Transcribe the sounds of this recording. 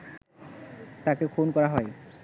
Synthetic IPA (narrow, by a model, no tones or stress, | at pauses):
t̪akekʰonkɔɾaɦɔe